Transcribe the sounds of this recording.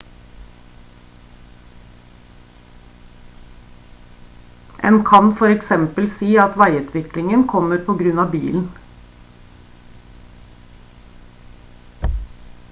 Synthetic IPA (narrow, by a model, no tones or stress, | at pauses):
ʔḛːnkʰɑnfɔɾɛksɛmpəlsiːɑt̪ʋæɪʉt̪ʰʋɪklɪŋənkʰɔmːəɾpʰɔɡɾʉnɑːbḭːln̩